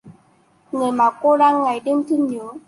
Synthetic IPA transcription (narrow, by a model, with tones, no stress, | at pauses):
ŋɨ˨˩əjmaː˨˩ko˧ɗaː˧ŋːa˨˩jɗe˧mt̪ʰɨ˧ɲɨ˨˦əw